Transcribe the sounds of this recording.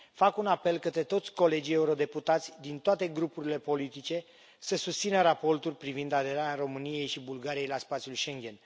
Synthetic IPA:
fakunape̞lkət̪ɾe̞t̪o̞t̪sʲko̞le̞d͡ʒije̞uɾo̞d̪e̞put̪at̪sʲd̪int̪oat̪e̞ɡɾupuɾile̞po̞lit̪it͡ʃe̞ | səsust̪sinəɾapo̞rt̪urʲpɾivind̪ad̪e̞ɾaɾʲaɾo̞mɨnije̞jʃibulɡaɾijejlaspat̪sjulʃe̞ŋɡʲe̞n

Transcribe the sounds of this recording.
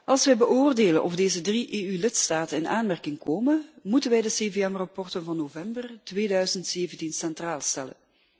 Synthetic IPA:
ʔɑlˠsʋɛjbəʔoːrdeːlənʔɔfdeːzədriʔeːylɪtstaːtənɪnaːnmɛrkɪŋkoːmənmutənʋɛjdəseːveɛmrɑpɔrtənvɑnːoːvɛmbərtʋeːdœɥzəntseːvəntinsɛntraːlˠstɛlə̰n

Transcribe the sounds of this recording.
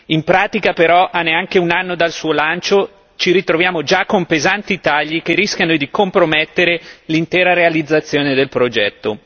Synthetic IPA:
impɾaːt̪ikapeɾɔʔanːeaŋkeunanːod̪alsuːolant͡ʃo | t͡ʃiɾit̪ɾovjaːmod͡ʒakːompezant̪it̪aʎːikerisk̟janod̪ikompɾomɛt̪ːeɾelint̪ɛːɾaɾealid̪zːat̪sːjoːned̪elpɾod͡ʒɛt̪ːo

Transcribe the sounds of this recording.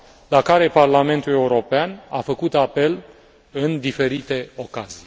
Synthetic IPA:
lakaɾe̞parlame̞nt̪ule̞uɾo̞peana̰fəkut̪ape̞l | ɨnd̪ife̞ɾit̪e̞o̞kazij

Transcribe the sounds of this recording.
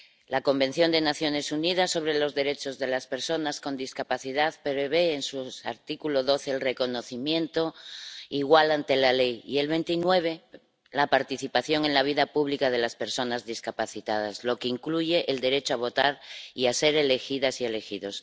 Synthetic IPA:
lako̞mbẽ̞n̟θjo̞nd̪e̞naθjo̞ne̞sunið̞asːo̞β̞ɾelo̞zðe̞ɾe̞t͡ʃo̞zðe̞laspe̞ɾso̞nasko̞nd̪iskapaθiðaðpɾeβ̞eːnsua̰ɾt̪ikuloðo̞θeːlre̞ko̞no̞θimjẽ̞nt̪o̞iɣwalant̪e̞lale̞jḭe̞lβe̞nt̪inwe̞β̞e̞ | lapaɾt̪iθipaθjo̞ŋe̞nlaβ̞iðapuβlikað̞e̞laspe̞ɾso̞nazðiskapaθit̪að̞azlo̞keiŋkluʝe̞ʔeld̪e̞ɾe̞t͡ʃoaβ̞o̞t̪aɾiase̞ɾe̞le̞xiðasie̞le̞xiðo̞s

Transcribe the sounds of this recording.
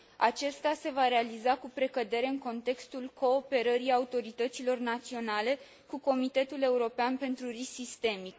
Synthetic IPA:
at͡ʃe̞st̪ase̞vaɾe̞alizakupɾe̞kəd̪e̞ɾe̞ɨŋko̞nt̪e̞kst̪ulko̞ːpe̞ɾəɾiaut̪o̞ɾit̪ət̪silo̞rnat̪sio̞nale̞ | kuko̞mit̪e̞t̪ule̞uɾo̞peanpe̞nt̪ɾurisist̪e̞mik

